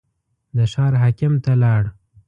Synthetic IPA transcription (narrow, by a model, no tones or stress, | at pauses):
d̪əʃɑɾɦakɪmt̪alɑɽ